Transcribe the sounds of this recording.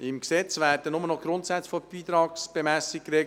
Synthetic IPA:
ɪmksɛt͡sʋæːɾd̥ənʊmənɔɡ̥ɾʊntsæt͡sfɔb̥iːt̪ɾɑːksb̥emæsikɾɛ

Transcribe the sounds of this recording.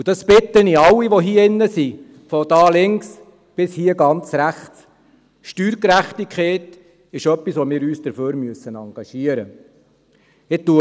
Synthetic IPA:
ud̥ɑspɪt̪ːəniɑwːiʋoɦiəɪnːəsi | fɔd̥ɑːlɪŋks | b̥ɪshiəɡɑnt͡sɾæχt͡s | ʃtyːɾkɾæχt̪ikʰχɛːt | ɪʃœpːisʋomɪːɾyːsd̥̪əɾføːɾmyəsənɑŋɡ̥ɑʃiəɾə | ɪtːuə

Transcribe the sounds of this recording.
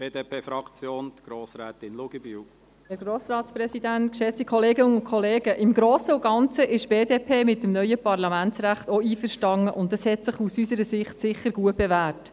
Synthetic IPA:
b̥eːd̪epʰeːfɾɑkt͡sjoːnt̪ɡ̥ɾoːsɾɛːt̪ɪnlʊɡəbyw | hɛɾɡ̥ɾoːsɾɑːtspɾɛsidæntkʃɛftikʰχɔleːɡəʊnkʰɔleːɡəʔɪmɡɾoːsəʊɡ̥ɑnt͡səʔɪʃb̥eːdeːpʰeːmɪt̚ːəmnœʏəpɑrlɑmæntsɾæχtɔiːfəɾʃtɑŋəʔʊntdɑshɛtsɪχusysəɾəsɪχtsɪχəɾɡuətb̥evæːrt

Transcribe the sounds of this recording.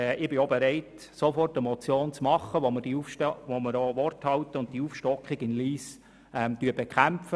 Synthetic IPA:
ʔɪb̥ɪobeɾɛɪt | sofɔrtɛmɔt͡sjoːnt͡smɑχːəʋomərd̥iufʃʋomɪɾoʋɔrthɑwtəʊnttiuːfʃtɔkχɪɡɪnliːs | ɛmtyəbekχæmfə

